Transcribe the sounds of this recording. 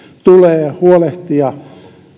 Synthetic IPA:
t̪uleːhuoleht̪ijɑ

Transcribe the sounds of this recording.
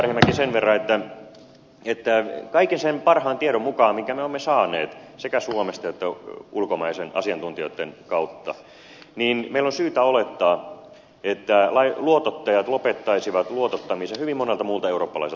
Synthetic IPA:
rhemːækisenʋerːɑet̪ːæ | et̪ːækɑikensenpɑrhɑːnt̪ieɾommukɑːmmiŋkæmeoemːesɑːneːt̪sekæsuomest̪ɑot̪ːæulkomɑisenɑ̰siɑnt̪unt̪ijo̰it̪ːenkɑut̪ːɑ | niːnmeilːonsyːt̪æolet̪ːɑː | et̪ːælɑiluot̪ot̪ːɑjɑt̪lopet̪ːɑisiʋɑt̪luot̪ot̪ːɑmisehyʋimmonelt̪ɑmuːlt̪ɑeuroːpːɑlɑ̰ise

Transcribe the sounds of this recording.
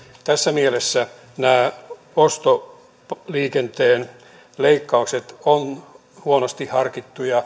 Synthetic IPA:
t̪æsːæmielesːæ | næː | ost̪o | pliːkent̪eːn | leikːɑukset̪on | huonost̪ihhɑrkit̪ːujɑ

